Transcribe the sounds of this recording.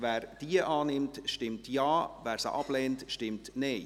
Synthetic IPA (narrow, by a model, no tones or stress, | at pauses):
vɛːɾd̥iəʔɑːnɪmtʃtɪmtjɑːvæːɾsə̰ʔɑb̥lɛːntʃtɪmtneː